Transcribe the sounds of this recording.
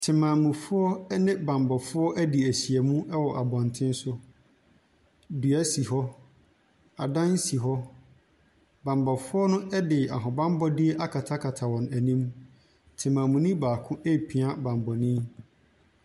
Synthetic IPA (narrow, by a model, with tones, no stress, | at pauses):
tʰɪ˨mãː˨mũ˨fʊ˦ɔ˦nɪ̃˦bã˨mbɔ˨fʊ˦ɔ˦ʔæ˦di˨æ˨ɕi˨ɛ˨mũ˦ʔɛ˦wɔ˨ʔa˨bɔ̃˨ntʰɪ̃˦n˦sʊ˦ | du˨æ˦si˨ɦɔ˦ | a˨dã˦n̩˦si˨ɦɔ˦ | bã˨mbɔ˨fʊ˦ɔ˦nʊ̃˦ʔɛ˦dɪ˨a˨ɦɔ̃˨bã˦m˦bɔ˦dɪ˦ɛ˦ʔa˦kʰa˨tʰa˦kʰa˨tʰa˨wɔ̃˨næ˨nĩ˦m | tʰɪ˨mãː˨mũ˨nĩ˦baː˨kʰʊ̃˦ʔe˦˨pʰi˨a˦bã˨m˨bɔ˨nĩ˦